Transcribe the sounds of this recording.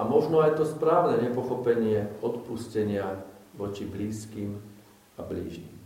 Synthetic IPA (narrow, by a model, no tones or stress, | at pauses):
amɔʒnɔajɛt̪ɔspɾaːʊnɛɲɛpɔxɔpɛɲɪɛɔt̪puscɛɲɪaʋɔt͡ʃibliːskiːm | ablḭːʒɲḭm